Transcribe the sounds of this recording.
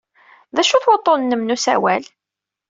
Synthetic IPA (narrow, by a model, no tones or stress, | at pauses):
ðæʃuθwət̪ˤːonnːəmnusæ̰wæl